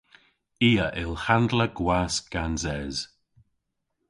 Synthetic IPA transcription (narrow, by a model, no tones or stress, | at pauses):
iːəʔɪlhand̪ləɡwaːsɡ̥anzɛz̥